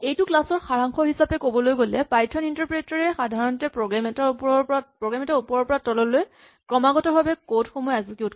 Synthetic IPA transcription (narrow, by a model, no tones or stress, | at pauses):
ejtʊklasɔɹxaɹaŋxɔhisapɛkobɔlojɡolɛpajtʰɔnintaɹpɹetaɹɛxadʱaɹɔntɛpɹɔɡɹamɛtapɔɔpapɹɔɡɹamɛtaupɔɹɔɹpɔɹatɔlɔloj | kɹɔmaɡɔtɔbʱabɛkodxomɔjazikjut